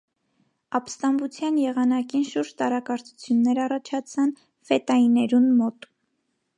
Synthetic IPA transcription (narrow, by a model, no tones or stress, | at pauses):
ɑpst̪ɑmbut͡sʰjɑnjɛʁɑnɑkinʃuɾd͡ʒt̪ɑɾɑkɑɾt͡sʰu̥t͡sʰjunːɛɾɑrɑt͡ʃʰɑt͡sʰɑn | fɛt̪ɑinɛɾunmɔt̪